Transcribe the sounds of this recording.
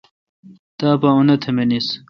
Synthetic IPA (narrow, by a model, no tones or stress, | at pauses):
t̪aːpaunɐt̪ʰɐmenis